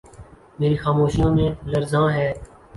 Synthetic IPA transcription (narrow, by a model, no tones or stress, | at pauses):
meːɾiːxaːmoːʃijõːmẽːləɾzãːɦɛː